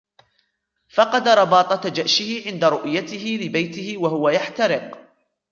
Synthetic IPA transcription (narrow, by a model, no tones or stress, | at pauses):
fɑqɑd̪ɾˤɑbɑːt̪ˤɑt̪d͡ʒaʔʃɪhɪʕɪnd̪aɾʊʔjat̪ɪɦɪlɪbajt̪ɪhɪwahʊwajaħt̪aɾɪq